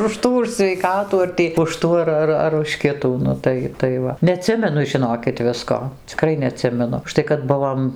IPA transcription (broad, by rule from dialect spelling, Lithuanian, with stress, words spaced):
ʊʃ ˈtuː ʊʃ sʲʋʲɛɪˈkɑːtuː ɐr ˈtʲiː ʊʃ ˈtuː ɐr ˈɐr ɐr ʊʃ ˈkʲɪtuː ˈnʊ tɐɪ tɐɪ ʋɐ nʲɛɐˈtʲsʲɪmʲɛnʊ ʒʲɪˈnoːkʲɪt ˈʋʲɪskoː t͡sʲɪˈkrɐɪ nʲɛɐˈtʲsʲɪmʲɛnʊ ʊʃˈtɐɪ kɐt ˈbʊʋoːm